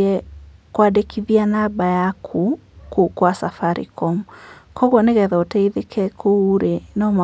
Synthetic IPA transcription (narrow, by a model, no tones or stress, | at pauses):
ɛ | kwadekʰiðianabajakʰu | kukwasafaɾḭkɔmukɔɣwɔneɣɛðɛotɛiðekʰɛkʰouɾenɔm